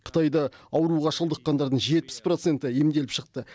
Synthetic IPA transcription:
qʰə̥t̪ɑjd̪ɑɑwɾuʁɑʃəlˠd̪əqːɑnd̪ɑɾd̪əɴʒe̞t̪̚pɪ̥spro̞t̪se̞nt̪ɪemd̪e̞lɪpʃəq̚t̪ə

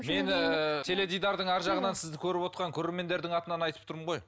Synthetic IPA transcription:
me̞nt̪ʰe̞le̞d̪ijd̪ɑɾd̪əɴæɾʒɑʁənɑnsɪzd̪ɪkʲʰɵɾɪpwo̞t̪qɑŋkʲʰɵɾe̞ɾme̞nd̪e̞ɾd̪ɪŋɑt̪ənɑnɑjt̪əp̚t̪ʰʊɾməɴʁo̞j

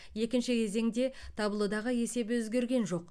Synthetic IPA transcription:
je̞kʲɪnʃɪkʲʰe̞ze̞ŋd̪e̞t̪ʰɑbəlˠud̪ɑʁəje̞se̞bɪwɵzɡʲe̞ɾɡʲe̞nʒo̞q

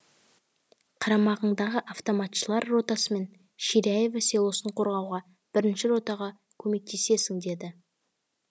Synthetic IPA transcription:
qʰɑɾɑmɑʁəɴd̪ɑʁəʔaft̪o̞mɑt̪ʃəlˠɑɾːo̞t̪ɑsəme̞n | ʃiɾiaje̞vase̞lˠosəɴqʰo̞ɾʁɑwʁɑ | b̥ɪɾɪnʃɪɾo̞t̪ɑʁɑ | kʲʰɵme̞k̚t̪ʰe̞se̞sɪŋd̪e̞d̪ɪ

